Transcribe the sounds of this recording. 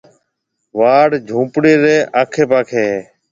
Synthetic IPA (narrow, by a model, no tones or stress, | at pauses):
ʋaːɽd͡ʒʱũːpɽeːɾeːʔaːkʰeːpaːkʰeːɦː